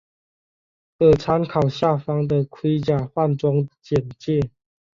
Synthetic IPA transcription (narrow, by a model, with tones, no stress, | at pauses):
kɤ˨˩t͡sʰa˧˦nkʰɑ˨˩ʊɕja˥˩fɑ˥ŋd̪ə˨kʰwi˦t͡ɕja˨˩xwa˥˨nʈ͡ʂwɑ˦ŋt͡ɕjɛ˨˩nt͡ɕjɛ˥˨